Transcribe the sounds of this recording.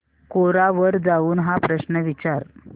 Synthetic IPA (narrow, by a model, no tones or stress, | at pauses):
koɾaʋəɾd͡zauːnɦapɾəɕnəʋit͡ɕaɾ